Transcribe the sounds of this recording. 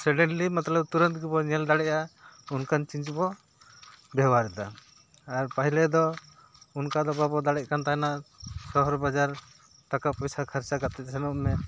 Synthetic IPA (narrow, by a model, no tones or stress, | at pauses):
sɛɖɛɳlimat̪lɔb̚t̪uɾə̃nt̪ɡubɔɲɛld̪aɽɛʔaunkant͡ʃiɲt͡ʃbɔ | bɛwaɾɛd̪aː | ɾpaɦilɛd̪ɔ | unkad̪ɔbabɔd̪aɽɛc̚kant̪anasɔɦɔɾbad͡ʒaɾ | t̪akapɔjsakʰaɾt͡ʃaɡat̪ɛt̪̚ˀsɛnɔʔmɛ